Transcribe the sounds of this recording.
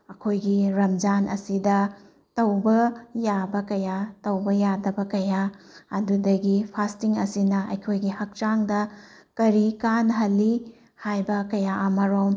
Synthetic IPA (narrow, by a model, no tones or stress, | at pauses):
ɐkʰojɡiɾɐmd͡ʒanɐ̰sidɐ | tɐwbɐjabɐkɐjatɐwbɐjadɐbɐkɐjaɐdudɐɡipʰastiŋɐsinɐʔɐ̰jkʰojɡihɐk̚t͡ʃaŋdɐ | kɐɾikanɦɐlːi | hajbɐkɐjaʔɐmɐɾom